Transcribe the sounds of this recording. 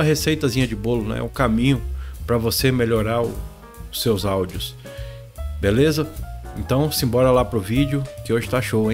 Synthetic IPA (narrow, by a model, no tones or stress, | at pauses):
ɐɦesejt̪ɐzĩɲɐd͡ʒɪbolʊñɛ̰ʊkamĩɲʊpɾɐvosemeʎoɾaɾʊ | ʊsːewzawd͡ʒiʊs | belezɐẽnt̪ɐ̃w̃sĩbɔɾɐlapɾʊvid͡ʒjʊkɪoʒɪt̪aʃowẽ